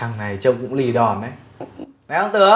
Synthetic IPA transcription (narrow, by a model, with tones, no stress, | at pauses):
a˨˧˩ŋna˨˩jt͡ɕə˧wŋ͡mkʊ̰˧˥ŋ͡mli˨˩ɗɔ˨˩nʔə˨˧˦j | nɛ˨˦hə˧ŋ͡mt̪ɨ˨˧˦ə